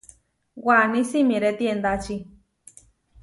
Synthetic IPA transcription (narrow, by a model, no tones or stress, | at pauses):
wanĩsimĩɾet̪iend̪at͡ʃi